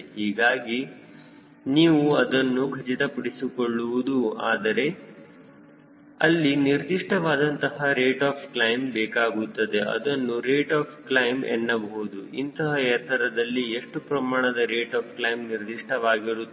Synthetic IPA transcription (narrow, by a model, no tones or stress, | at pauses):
hiːɡaːɡi | niːʋuɐd̪ɐnːuɡʱɐd͡ʒit̪ɐpɐɽisikoɭːuʋud̪uaːd̪ɐɾe̞ | ɐ̰lːiniɾd̪iʂʈɐʋaːd̪ɐnt̪ɐɦɐɾeːʈaːpʰklɐjmbɛːkaːɡut̪ːɐd̪e̞ʔɐ̰d̪ɐnːuɾeːʈaːpʰklɐjmɛ̰nːɐbɐɦud̪uint̪ɐɦɐjɐt̪ːɐɾɐd̪ɐlːieʂʈupɾɐmaːɳɐd̪ɐɾeːʈaːp̚ʰklɐjmniɾd̪iʂʈʰɐʋaːɡiɾu